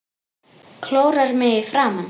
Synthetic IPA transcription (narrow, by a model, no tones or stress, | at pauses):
kʰloːwɾaɾmɪɪfɾaːman